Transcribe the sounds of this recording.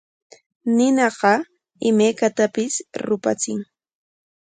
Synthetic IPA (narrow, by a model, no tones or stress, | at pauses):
nɪnɑɢɑ | ɪmajkat̪apɪsɾʊpa̰t͡sɪŋ